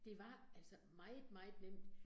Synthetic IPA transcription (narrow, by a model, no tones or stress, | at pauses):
d̥e̝ʋɑ̈æl̰sɒmɑ̈ɪð̩ˠmɑ̈ɪð̩ˠnem̰d̥